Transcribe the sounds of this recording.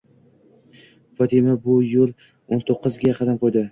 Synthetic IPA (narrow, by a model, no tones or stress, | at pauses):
fɒt̪ʰimabʊjolˠ | ont̪ʰoqːɨzɡʲaqʰɑd̪amqʰojd̪ɪ